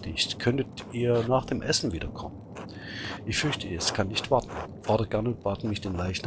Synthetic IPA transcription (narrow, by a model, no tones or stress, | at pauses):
tɪçtkʰœntətiːɐnaːχd̥eːmʔɛsn̩viːdɐkʰɔmən | ʔɪçfʏɐçtəɛskʰanːɪçtv̥aɐtn̩fɔɐdɐəɡ̥anʊnt̚b̥aːtn̩mɪçd̥eːnlaɪçtn̩